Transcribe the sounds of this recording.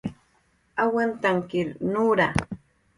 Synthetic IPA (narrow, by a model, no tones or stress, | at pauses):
awant̪aŋkɪɾnuːɾa